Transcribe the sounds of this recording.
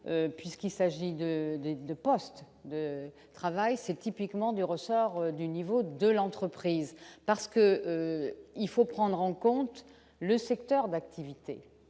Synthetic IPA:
øpɥiskilsaʒid̪əd̪ed̪əpɔst̪ | d̪ə | t̪χavajsɛt̪ipikmɑ̃d̪yʁəsɔʁd̪ynivod̪əlɑ̃t̪χəpχizpaʁsə̥kəøilfopχɑ̃d̪ʁɑ̃kɔ̃t̪ | ləsɛkt̪œʁd̪akt̪ʰivit̪e

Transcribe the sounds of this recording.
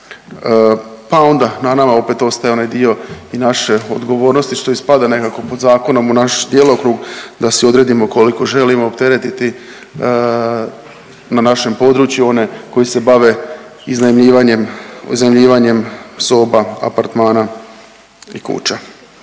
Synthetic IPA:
pao̞nd̪ananamao̞pe̞t̪o̞st̪ajeo̞najd̪io̞inaʃe̞o̞d̪ɡo̞ʋo̞ːɾno̞st̪iʃt̪o̞ispad̪ane̞kako̞po̞d̪zaːko̞nomunaʃd̪jelo̞kɾuɡd̪asio̞d̪ɾe̞ːd̪imo̞ko̞liko̞ʒe̞limoːpt̪e̞ɾet̪it̪i | nanaʃe̞mpo̞d̪ɾuːt͡ɕjuo̞ne̞ko̞jise̞baʋe̞ | iznaimʎiːʋaɲemṵznaimʎiːʋaɲe̞mso̞ːbaa̰paɾt̪maːna | ikṵt͡ɕa

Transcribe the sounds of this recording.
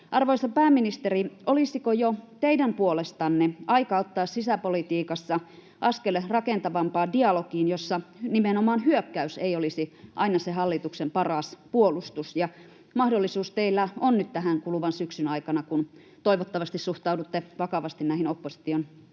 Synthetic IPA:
ʔɑrʋoisɑpæːmːinist̪eriolisikojot̪eidæmpuolest̪ɑnːeɑikɑot̪ːɑːssisæpolit̪iːkɑsːɑ | ʔɑskelrɑkent̪ɑʋɑmpɑːdiɑlokiːnjosːɑnimenomɑːnhyøkːæyseijolisiʔɑinɑseɦɑlːit̪uksempɑrɑspuolust̪usjɑ | mɑhdolːisuːst̪eilːæonnyt̪t̪æɦæŋkuluʋɑnsyksynɑikɑnɑkun | t̪oiʋot̪ːɑʋɑst̪issuht̪ɑudut̪ːeʋɑkɑʋɑst̪innæihinopːosi̥t̪ion

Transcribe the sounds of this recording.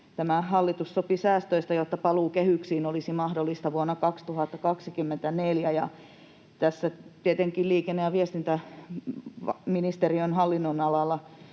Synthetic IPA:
t̪æmæɦɑlːit̪ussopisæːst̪øist̪ɑjot̪ːɑpɑluːkehyksiːnolisimɑhdolːˑist̪ɑʋuonːɑkɑkst̪uhɑt̪ːɑkɑksikymːent̪æneljæjɑ | t̪æsːæt̪iet̪eŋkilliːkenːeɑʋiest̪int̪æ | ʋɑminist̪eriønhɑlːinːonɑlɑlːɑ

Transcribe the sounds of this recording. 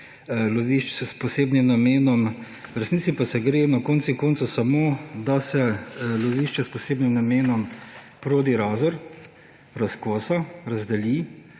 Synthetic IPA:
loʋiʃt͡ʃɛspɔseːbnimnameːnɔm | ɾɛsniːtsipasɛɡɾeːnakoːnsikoːnt̪susamoːd̪asɛloʋiːʃt͡ʃɛspɔseːbnimnameːnɔm | pɾoːd̪iɾaːzɔɾ | ɾaskoːsaɾɐzd̪ɛli

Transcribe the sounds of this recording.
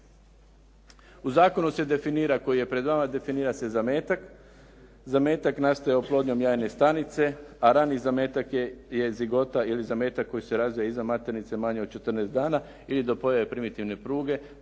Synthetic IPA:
uzaːko̞nuse̞d̪e̞finiːɾako̞jije̞pɾe̞d̪ʋamad̪e̞finiːɾase̞zameːt̪ak | zame̞ːt̪aknast̪ojaoplˠo̞d̪ɲo̞mjaːjne̞st̪anit̪se̞aɾanizamet̪akje̞ziɡo̞t̪ailizame̞ːt̪akːo̞jise̞ɾazʋijaizamat̪eɾnit̪se̞maɲeod̪̚t͡ʃe̞t̪ɾrnesd̪aːna | ilid̪o̞po̞jaʋe̞pɾimit̪iʋne̞pɾuːɡe̞

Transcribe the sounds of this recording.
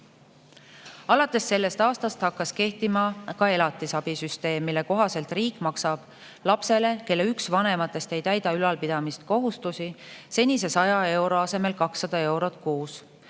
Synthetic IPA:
ɑlɑt̪ːˑe̞sːe̞lːe̞st̪ɑːst̪ɑst̪hɑkːɑske̞ht̪imɑkɑe̞lɑt̪ːˑisɑb̥isyst̪e̞ːmːilːe̞ko̞ɦɑse̞lt̪riːkːˑmɑksɑb̥ | lɑpse̞le̞ke̞lːe̞yksvɑne̞mɑt̪ːˑe̞st̪e̞jt̪æjd̪̥ɑylɑlpid̪̥ɑmist̪ko̞ɦust̪usise̞nʲise̞sɑjɑe̞wɾo̞ɑse̞me̞lkɑksːɑd̪̥ɑe̞wɾo̞t̪ˑkuːs

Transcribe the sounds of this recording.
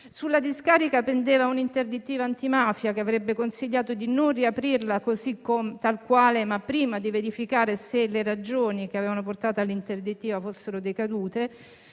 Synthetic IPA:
sulːad̪iskaːɾikapend̪eːvaunint̪erd̪it̪ːiːvaːnt̪imaːfjakeavɾɛbːekonsiʎːaːt̪od̪inonriapɾirlakozikːomet̪alkwaːlemapːɾiːmad̪iveɾifikaːɾeseleɾad͡ʒoːnik̟eaveːvanoport̪aːt̪alːint̪erd̪it̪ːiːvafosːeɾod̪ekad̪uːt̪e

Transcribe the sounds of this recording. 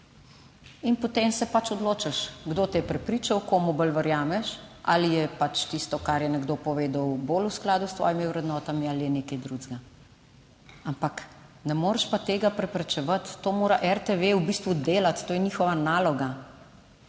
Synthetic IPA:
inpɔt̪emsɛpat͡ʃɔd̪loːt͡ʃaʃɡd̪ot̪ɛpɾɛpɾiːt͡ʃawkoːmubəlʋəɾjaːmɛʃʔa̰lijɛpat͡ʃt̪ist̪ɔkaɾjɛnɛɡd̪opɔʋeːd̪ɐwboːlusklaːd̪ust̪ʋɔ̰ːjimiwɾɛd̪nɔt̪amialijɛneːkɛjd̪ɾuzɡa | ampak | nɛmoːɾʃpat̪eːɡapɾɛpɾɛt͡ʃɛʋat̪ːoːmoːɾaʔɛɾt̪eʋeubist̪ʋud̪eːlat̪ːoːjɛniːxɔʋanaːlɔɡa

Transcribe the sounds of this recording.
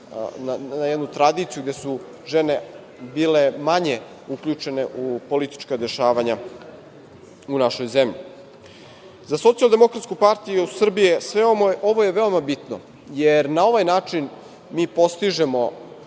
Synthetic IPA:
naajed̪nut̪ɾad̪iːt̪sijuɡd̪esu | ʒene | biːle̞maɲe | ukʎut͡ʃe̞ne̞ʔupo̞lit̪i̥t͡ʃkad̪e̞ʃaːʋaɲa | unaʃo̞jzemʎḭ | zaso̞t̪sialˠd̪e̞mo̞kɾat̪skupaɾt̪ijusr̩bijesʋeooʋojeʋe̞omabit̪no̰ | jeɾnao̞ʋajnaːt͡ʂin | miːpo̞st̪iʒe̞mo̞

